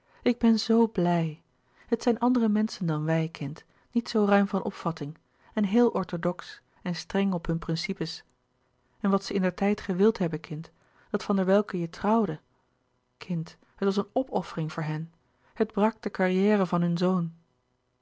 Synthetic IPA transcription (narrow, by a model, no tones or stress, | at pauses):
ɪɡ̚bɛnzowblɛj | hətsɛjnʔɑndərəmɛnsəndɑnʋɛjkʰɪnt | nitsowrœɥmvɑnʔɔ̰pfɑtɪŋ | ɛnɦeːlˠʔɔɹtodɔks | ɛnstrɛŋɔpɦɵnprɪnsipəs | ɛnʋɑtsəɪndəɹtɛjtχəʋɪlˠtɦɛbəkʰɪnt | d̥ɑtfɑndəɹʋɛlˠkəjətrɑwdə | kʰɪnt | ɦətʋɑs̬ənɔpɔfərɪŋvʊːɹɦɛn | həd̚brɑk̚d̥əkaɹijɛːrəvɑnɦɵnzown